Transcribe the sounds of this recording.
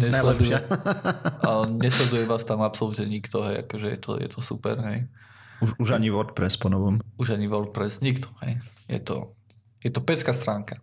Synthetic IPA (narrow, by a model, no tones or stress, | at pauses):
ɲɛnlɛɛd̪uɪa | ɲɛslɛd̪ujɛʋaːst̪amapsɔlut̪ɲɛɲikt̪ɔɦɛja̰kɔʒɛjɛ̰t̪ʰɔ̰jɛ̰t̪ʰɔsṵpɛ̰ɾɦɛjuʃuʒaɲiʋɔɾt̪̚pɾɛspɔnɔʋɔmuʒaɲiʋɔɾt̪̚pɾɛsɲikt̪ʰɔ̥hɛjjɛ̰t̪ɔ̰ | jɛt̪ɔpɛt͡skaːst̪ɾaːŋka